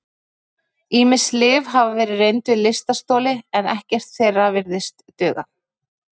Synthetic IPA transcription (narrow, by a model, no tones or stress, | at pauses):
iːmɪslɪːvɦavavɛːɾɪrejnt̪ʏlɪst̪ast̪ɔːlɪɛnɛhcɛr̥t̪θejrːavɪɾðɪst̪ːœːɣa̰